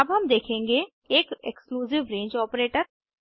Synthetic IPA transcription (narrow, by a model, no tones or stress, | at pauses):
ɐbɦɐmd̪eːkʰẽːŋɡe | eːkekskluːzɪʋɾẽːɲd͡ʒɔːpɾeːʈəɾ